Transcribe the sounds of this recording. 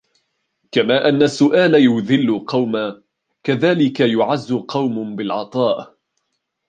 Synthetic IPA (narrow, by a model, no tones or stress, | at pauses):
kamaːʔanːasːʊʔaːlajʊðɪlːʊqɑwmaː | kaðaːlɪkajʊʕazːʊqɑwmʊbɪlʕɑ̰t̪ˤɑːʔ